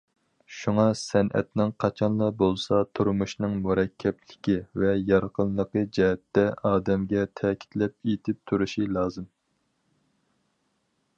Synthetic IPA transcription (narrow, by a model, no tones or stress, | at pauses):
ʃuŋɑsɛnʔɛ̰t̪nɨŋqʰɑt͡ʃʰɑnlˠɑbolˠsɑt̪ʰuɾmuʃnɨŋmuɾɛkʲʰːɛplɪkʲivɛjɑɾqʰənlˠəqəd͡ʒɛɦɛt̪ːɛɑːd̪ɛmɡʲɛt̪ʰɛːkʲʰi̥t̪ʰlɛp̚et̪ʰɪp̚t̪ʰuɾuʃilˠɑːzɨm